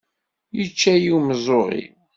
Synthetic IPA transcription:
jət͡ʃːæjiwməzˤoʁḭ

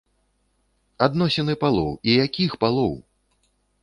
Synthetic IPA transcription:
ad̪nɔsʲɛnɨpalˠɔ̰wijakʲixpalˠɔw

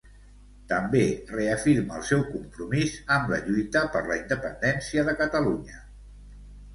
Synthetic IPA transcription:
t̪əmbereəfiɾməːlˠsɛwkumpɾumizəmlə̰ʎujt̪əpəɾləind̪əpənd̪ɛnsiəðəkət̪əluɲə

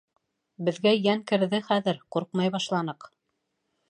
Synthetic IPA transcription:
bɘ̆ðɡæjæŋkɘ̆ɾðɘχæðɘɾquɾq̚mɑjβɑʃlˠɑnɤq

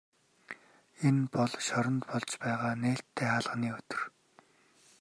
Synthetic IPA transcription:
enpɔɮʃɔɾɞ̆nt̪pɔɮt͡ɕpæːʁaːneːɬt̪ʰːeːχaɮʁ̥əniːɵt̪ɵ̆r

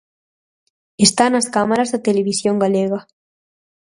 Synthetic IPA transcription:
est̪anaskamaɾazðet̪eleβisjoŋɡaleɣa

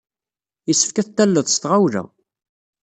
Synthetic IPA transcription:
isːə̥fkæθt̪ːælːəðˤst̪ʁawlæ̰

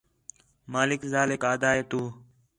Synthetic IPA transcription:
maːlɪkzaːlekaːd̪aːɦeːt̪uː

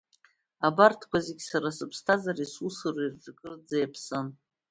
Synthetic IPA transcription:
abartʰkʷʰazeɡʲsaɾasɨpʰstʰazaresusɨrirʈ͡ʂʼɨkʼɨrd͡zajapʰsɨn

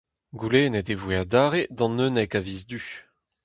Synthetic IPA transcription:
ɡuleːnɛt̪evwead̪aːʁed̪ɑ̃nønɛkaviːzd̪y

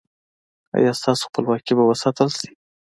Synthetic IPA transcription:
a̰jɑst̪ɑso̥xpəlwɑkibawəsɑt̪əlsi̥

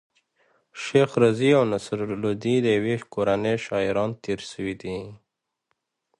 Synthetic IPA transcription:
ʃexɾaziawnasɾlod̪id̪əjawekoɾaneʃɑɪɾɑnt̪ʰeɾʃəwid̪i

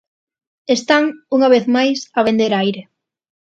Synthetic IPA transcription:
est̪aŋuŋaβ̞eθmajsaβ̞end̪eɾajɾe

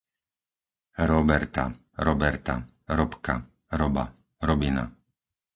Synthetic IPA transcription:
ɾɔbɛɾt̪a̰ | ɾɔbɛɾt̪a̰ | ɾɔpka̰ | ɾɔba̰ | ɾɔbina̰

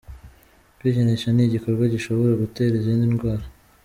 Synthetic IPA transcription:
wiɟeneʃaniɟiko̞ɾɡwaɟiʃo̞βo̞ɾaɡute̞ɾizindinɡwaːɾa

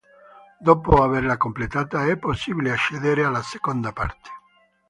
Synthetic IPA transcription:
d̪opoaβeɾlakomplet̪at̪aɛpːosiβileaʃeðeɾealasekond̪apa̰ɾt̪ʰe̥

